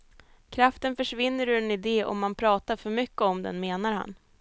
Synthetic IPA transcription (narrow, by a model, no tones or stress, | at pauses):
kʰɾaft̪ənfœʂvɪnːəɾɵɾɛnɪd̪eːʔɔ̰mːanpʰɾɑːt̪aɾfœɾmʏkːəɔmd̪ɛ̰nmeːnaɾha̰n